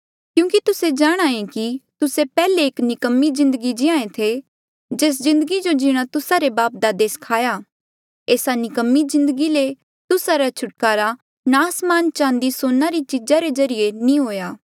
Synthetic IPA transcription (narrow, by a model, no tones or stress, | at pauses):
kjũːkit̪ʊsed͡ʒaːɽ̃aːẽkit̪ʊsepɛːleːknɪkəmːizɪ̃nd̪əɡid͡ʒɪãːẽt̪ʰe | d͡ʒeːs̬zɪ̃nd̪əɡid͡ʒod͡ʒɪɽ̃ãt̪ʊsaɾebaːp̚d̪aːd̪eːskʰaːjaː | eːsanɪkəmːizɪ̃nd̪əɡile | t̪ʊsaɾat͡ʃʰʊʈkaːɾa | naːsmaːnt͡ʃãːnd̪isoːnːaɾit͡ʃɪd͡ʒaɾezɐɾijenĩɦoːjaː